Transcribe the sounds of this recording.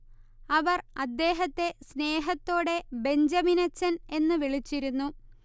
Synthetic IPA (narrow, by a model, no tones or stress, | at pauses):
ɐʋɐrɐd̪ːe̞ːɦɐt̪ːe̞sne̞ːɦɐt̪ːo̞ːɽe̞be̞ɲd͡ʑɐminɐt͡ɕːɐne̞nːɨʋiɭit͡ɕːiɾunːu